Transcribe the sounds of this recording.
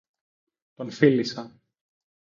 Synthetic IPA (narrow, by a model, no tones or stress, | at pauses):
t̪o̞nfilisɐ